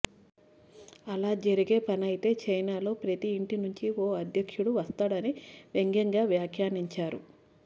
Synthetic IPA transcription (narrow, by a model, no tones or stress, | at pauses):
ɐlaːd͡ʒɐɾiɡe̞ːpɐnɐjit̪e̞ːt͡ʃɐjnaːlo̞ːpɾɐt̪iːɳʈinuɲt͡ʃioːɐd̪ʱjɐkʂuɽuʋɐst̪aːɽɐniʋe̞ŋɡɐŋɡaːʋjaːkʰjaːniɲt͡ʃaːɾṵ